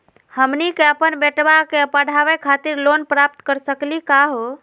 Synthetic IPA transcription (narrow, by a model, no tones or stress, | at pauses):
həmnikeəpənbeʈbakeəpəɽ̤ʱaʋɛkʰat̪iɾlonpɾap̚t̪kəɾsəklikaɦo